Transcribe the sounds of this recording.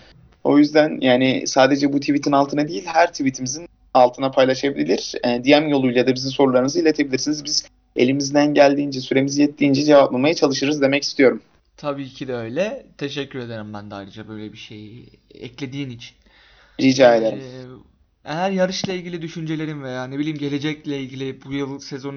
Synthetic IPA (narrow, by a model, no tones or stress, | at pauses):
o̞̰jyzd̪ænjaːnɪ̰saːd̪e̞d͡ʒɛbut̪ʰivit̪ʰinalˠt̪ʰɯnad̪ijilʲhæɾt̪ʰivit̪ʰimizin | alˠt̪ʰɯnapʰajlˠaʃabilʲilʲiɾ̥ɛd̪ijæmjo̞lˠujlˠjad̪abizimso̞ɾulˠaɾɯnɯzɯilʲe̞t̪ʰe̞bilʲiɾsinizbiz | e̞̰lʲimizd̪ænɟælʲd̪iːnd͡ʒɛsyɾe̞mizijɛt̪ːiːnd͡ʒɛd͡ʒe̞vaplˠamajat͡ʃʰalˠɯʃɯɾɯzd̪e̞mɛci̥st̪ʰijo̞ɾum | t̪ʰabiːcʰid̪ɛøjlʲɛt̪ʰeʃɛcːyɾe̞d̪eɾimbænd̪ɛajɾɯd͡ʒabø̞jlʲɛbiʃeji | ɛ̰clʲe̞d̪iːnit͡ʃʰi̥n | id͡ʒaːed̪eɾim | ejæɾjaɾɯʃlˠailʲɟʲilʲid̪yʃynd͡ʒelʲe̞ɾimvejaːnebilʲiːmɟe̞lʲe̞d͡ʒɛclʲɛilʲɟilʲibujɯlˠsezo̞n